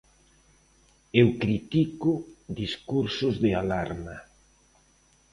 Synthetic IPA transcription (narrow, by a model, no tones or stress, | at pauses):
ewkɾit̪ikʊðiskuɾsʊzðɪalaɾma